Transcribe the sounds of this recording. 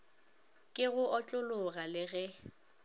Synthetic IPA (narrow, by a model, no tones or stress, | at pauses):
kʼɪɣʊʔɔt͡ɬʼʊlʊɣalɪɣɛ